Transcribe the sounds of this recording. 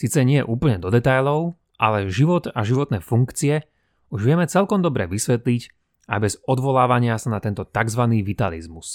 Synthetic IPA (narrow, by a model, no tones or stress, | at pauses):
siːt͡sɛɲɪɛjɛ̰ʔuːpl̩ɲɛd̪ɔd̪ɛt̪ajlɔʊ | ʔa̰lɛʒiʋɔt̪aʒiʋɔt̪nɛːfuŋkt͡siɛ | uʒʋɪɛmɛt͡sɛlkɔmd̪ɔbɾɛ̰ʋisʋɛt̪liɟ | a̰jbɛzɔd̪ʋɔlaːʋaɲɪasanat̪ɛnt̪ɔt̪aɡzʋaniːʋit̪alḭzmus